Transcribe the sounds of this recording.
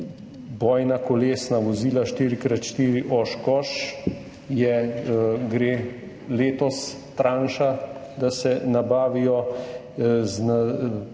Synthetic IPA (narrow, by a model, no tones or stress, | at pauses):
bɔːjnakɔleːsnaʋɔziːlaʃt̪iːɾikɾat̪ʃt̪iːɾiʔɔʃkɔʃ | jɛ | ɡɾeː | leːt̪ɔs | t̪ɾaːnʃa | d̪asɛnabaːʋijɔ | zna